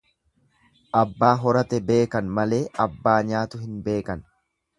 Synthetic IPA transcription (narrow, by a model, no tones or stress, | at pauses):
ʔɐbːaːɦɔɾɐt̪ɛbe̞ːkɐnmɐle̞ːɐbːaːɲaːt̪ʊɦɪnbe̞ːkɐn